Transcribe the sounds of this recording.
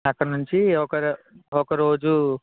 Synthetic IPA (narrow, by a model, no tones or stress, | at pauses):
ɐkːɐɳnuɲt͡ʃiɔkɐɾɔkɐɾo̞ːd͡ʒu